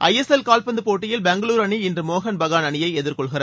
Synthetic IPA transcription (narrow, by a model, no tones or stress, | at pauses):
ʔɐjɛsɛlkaːlpɐnd̪ɯpoːʈːɪjɪlbɛŋɡɐɭuːɾɐɳiɪndrɯmoːɣɐnbɐɣaːnɐɳɪjɐɪɛðɪɾkɔɭɣɪɾɐ